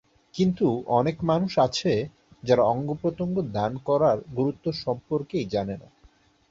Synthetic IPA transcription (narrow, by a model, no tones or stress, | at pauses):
kint̪uɔnekmanuʃat͡ɕʰe | d͡ʑaɾaɔŋɡopɾot̪oŋɡod̪ankɔɾaɾɡuɾut̪ːoʃɔmpoɾkejd͡ʑanena̰